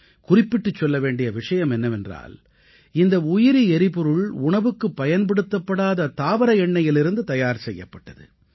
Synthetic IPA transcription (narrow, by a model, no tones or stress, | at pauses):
kʊrɪpːɪʈːɯt͡ʃːɔlːɐʋeːɳɖɪjɐʋɪʂɐjɐmɛnːɐʋɛndra̰ːl | ɪnd̪ɐʊjɪɾiɛɾɪpɔɾɯɭʊɳɐʋɯkːɯpːɐjɐnpɐɽɯt̪ːɐpːɐɽaːðɐt̪aːʋɐɾɐjɛɳːɐjɪlɪɾɯnd̪ɯt̪ɐjaːɾsɛjːɐpːɐʈːɐðɯ̰